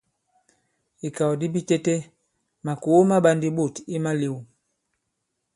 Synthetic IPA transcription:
i˨ka˨ɔ˨di˦bi˦tɛ˦tɛ˦ | ma˨ko˨˦ma˦ɓa˦ndi˦ɓo˦˨ti˦ma˦le˨wu˨

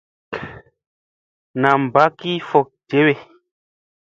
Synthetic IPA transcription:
nã˨m˨ba˦ki˦fɔ˨k̚d͡ʒe˨˦we˨

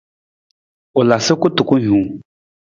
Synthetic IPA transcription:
ʊ˨la˨sɪ˦kʊ˦tʊ˨kʊ˦ɲũː˨˦

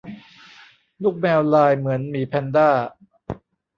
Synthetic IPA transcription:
lu˥˩k̚mɛː˧wlaː˧jmɯ˩˦ənmiː˨˩˦pʰɛ˧ndaː˥˩

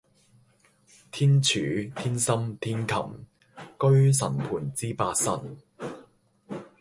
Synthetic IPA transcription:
t̪ʰiː˥nt͡ʃʰyː˨˥t̪ʰiː˥nsɐ˥mt̪ʰiː˥nkʰɐ̰˨˩m | kɵ˥ɥsɐ˨˩npʰuː˨˩nt͡siː˥paː˧k̚sɐ̰˨˩n

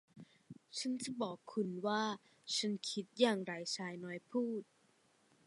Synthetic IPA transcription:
t͡ɕʰa˦˥nt͡ɕa˨˩bɔː˨˩kʰːu˧nwaː˥˩ | t͡ɕʰa˦˥nkʰi˦˥t̪̚jaː˨˩ŋɾa˧jt͡ɕʰaː˧jnɔː˦˥jpʰuː˥˩t̪̚

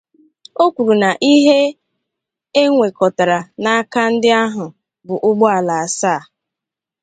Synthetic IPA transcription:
o˦kʷu˨ɾu˨na˨ʔi˦ɦe˦ | e˦ŋʷe˨kɔ˨ta˨ɾa˨na˦ka˦n̩˦dɪ˦a˦ɦʊ˨ | bʊ˨ʔʊ˦ɡ͡bɔ˦a˨la˨a˨saː˦˨

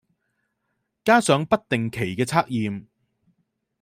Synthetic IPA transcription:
kaː˥sœː˨˥ŋpɐ˥t̚t̪ɪ˨ŋkʰe˨˩jkɛː˧t͡sʰaː˥k̚jiː˨m

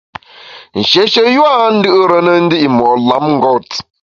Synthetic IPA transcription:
n̩˨ʃe˦ʃe˦ja˦n̩˦dɪ˦o˦ɾə˨ne˦n̩˦dɪ˦i˨m˨ɔ˨la˨m̩˦ŋ̩˦ɡɔ˦ti̥˨

